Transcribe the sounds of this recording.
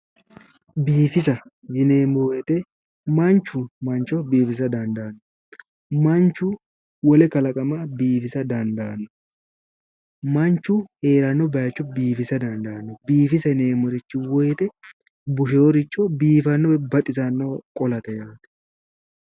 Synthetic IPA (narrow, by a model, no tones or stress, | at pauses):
biːfɪs̬ɐhɪneːmojɛt̪ɛ | mɐnt͡ʃːumɐnt͡ʃɔbiːfɪs̬ɐd̪ɐnd̪ɐːnːʊ | mɐnt͡ʃːu | wɔlɛkɐlɐkʼɐmabiːfɪsɐd̪ɐnd̪ɐːnːʊ | mɐnt͡ʃːuhe̞ːɾɐnːɔbɐjɐt͡ʃːɔbiːfɪsɐd̪ɐnd̪ɐːnːɔbiːfɪsɐɪneːmɔɾɪt͡ʃːɪwɔjɛt̪ɛ | bʊʃ̬eɔɾɪt͡ʃʼːɔbiːfɐnːɔbɐt̪ʼɪsɐnːokʼɔlɐt̪ɛjaːt̪ɛ̥